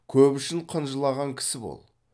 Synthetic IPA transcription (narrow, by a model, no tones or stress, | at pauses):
kʲʰɵpʏʃɪɴqʰənʒəlˠɑʁɑŋkʲʰɪ̥sɪbo̰lˠ